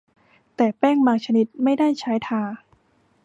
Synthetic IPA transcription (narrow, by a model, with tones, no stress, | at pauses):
t̪ɛː˨˩pɛː˥˩ŋbaː˧ŋt͡ɕʰa˧ni˦˥t̪̚ma˥˩jdaː˥˩jt͡ɕʰaː˦˥jt̪ʰaː˧